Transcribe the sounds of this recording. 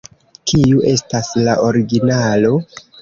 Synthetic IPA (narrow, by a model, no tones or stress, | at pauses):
kʰiuʔe̞staslaʔo̞ɾiɡinalo̞